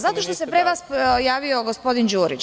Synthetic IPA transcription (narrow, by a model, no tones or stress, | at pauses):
zat̪o̞ʃt̪o̞se̞pɾeʋasjaːʋio̞ɡo̞spo̞d̪ind͡ʒuːɾit͡ʃ